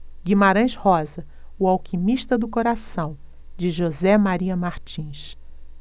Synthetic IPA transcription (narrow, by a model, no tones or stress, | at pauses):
ɡimaɾɐ̃j̃ʃhɔzɐ | ʊawkimiʃt̪ɐd̪ʊkoɾasɐ̃w̃ | d͡ʒɪʒozɛmaɾiɐmaɾt͡ʃĩʃ